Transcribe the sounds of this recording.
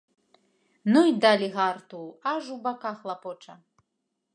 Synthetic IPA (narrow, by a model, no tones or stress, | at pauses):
nujd̪alʲiɣart̪uaʐubakaxlˠapɔt͡ʂɐ